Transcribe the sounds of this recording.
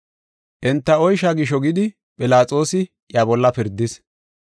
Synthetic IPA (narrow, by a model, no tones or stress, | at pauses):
ʔɛnt̪ːɐɔjʃaɡɪʃ̬ɔɡɪd̪ɪ | pʼɪlaːt͡sʼo̞ːsɪ | ʔjaːbɔlːɐpɪɾd̪ːɪs